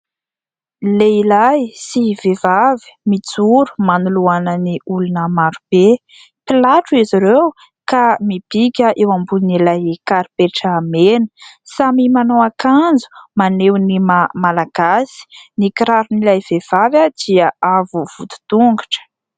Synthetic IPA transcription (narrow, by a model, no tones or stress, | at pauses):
leilajsiv̥evavi̥mit͡suɾu̥manuluanəniulunəmaɾub̥e | pilaʈ͡ʂuiziɾew | kamib̥ikʲəʔewambunilajekaɾipeʈ͡ʂaːmenə̥samimanowakand͡zu̥manewnimamalaɡ̥asi̥nikiɾaɾunilajv̥ev̥avjad̪̥iəʔavuv̥ut̪u̥t̪uŋɡaʈ͡ʂə̥